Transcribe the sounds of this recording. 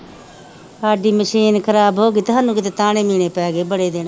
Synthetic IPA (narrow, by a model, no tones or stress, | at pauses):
aːɖiːməʃiːnkʰəɾaːbɦoːɡiːt̪ʊɦaːnːũːkɪt̪eːt̪aːɽ̃eːmiːɽeːpɛːɡeːbəɽeːd̪eːn